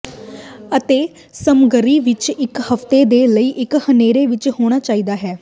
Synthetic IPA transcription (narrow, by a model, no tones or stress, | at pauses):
ət̪eː | səmɡəɾiːʋɪt͡ʃɪkhəft̪eːd̪eːləiːʔɪkhəneːɾeːʋɪt͡ʃhoːɽ̃aːt͡ʃaːiːd̪aːɦɛː